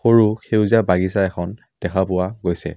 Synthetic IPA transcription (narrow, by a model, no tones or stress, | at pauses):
xoɹuxewziabaɡisaɛxʰɔn | d̥ɛxʰapʊwaɡojsɛ̰